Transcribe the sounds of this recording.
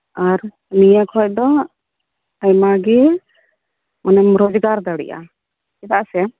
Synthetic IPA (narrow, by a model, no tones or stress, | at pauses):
aɾ | nijakɔjd̪ɔ | ajmaɡɛ | manɛmɾod͡ʒɡaɾd̪aɽḭʔa̰ | kɛt̪aʔsɛ